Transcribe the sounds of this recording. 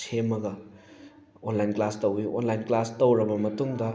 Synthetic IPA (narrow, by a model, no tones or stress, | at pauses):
sʰemɐɡɐ | onlajnklastowiʔo̰nlajnklastowɾɐbɐmɐtuŋdɐ